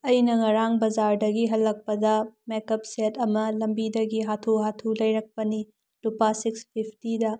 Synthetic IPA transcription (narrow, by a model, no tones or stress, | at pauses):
ɐjnɐŋɐɾaŋbɐd͡ʒaɾdɐɡiɦɐlːɐk̚pɐdɐmekɐp̚setɐmɐlɐmbidɐɡiɦatʰuɦatʰulɐjɾɐk̚pɐni | lupasikspʰipʰtidɐ